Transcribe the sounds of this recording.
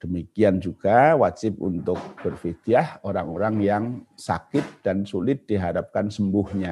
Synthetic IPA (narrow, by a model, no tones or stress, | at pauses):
d̥əmikiand͡ʒuɡ̥awad͡ʒɪp̚ṵnt̪ʊk̚b̥ərfit̪iahoɾaŋoɾaŋjaŋsa̰kɪt̪̚d̥ansulɪt̪̚d̥iɦaɾap̚kansəmbʊhɲa